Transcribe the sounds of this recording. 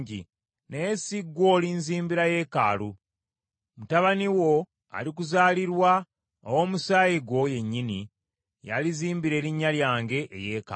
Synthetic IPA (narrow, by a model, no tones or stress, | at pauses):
ɟḭ | nejesiɡːwo̞ːlinziːmbiɾaje̞ːka̰ːlu | mutaβaniwo̞ | a̰lik̬uzaːliɾwa | owo̞ːmusaːjiɡwo̞je̞ɲːini | ja̰liziːmbiɾe̞ːɾiɲːaljaːŋɡe̞ʔːjeːka